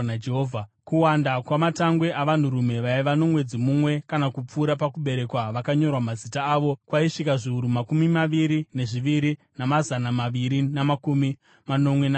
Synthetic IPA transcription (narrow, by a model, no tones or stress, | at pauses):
d͡ʒeɦoːvʱakuwandakwamataŋɡwe̞ʔaʋan̤uɾume̞ʋaiʋano̞mwe̞d͡zimumwe̞kanakup͡fuːɾapakuɓe̞ɾe̞kwaʋakaɲo̞rwamazitaːʋo̞kwaiʂikaʐiuɾumakumimaʋiɾine̞ʐiʋiɾi | namazanamaʋiɾinamakumi | mano̞mwena